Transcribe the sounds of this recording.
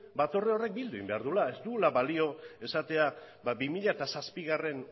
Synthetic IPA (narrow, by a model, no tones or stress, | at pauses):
bat̪o̞reo̞re̞k̚bild̪uḭmbe̞aɾðulae̞st̪uulaβalio̞e̞sat̪e̞ababimiʎaet̪asaspiɣare̞n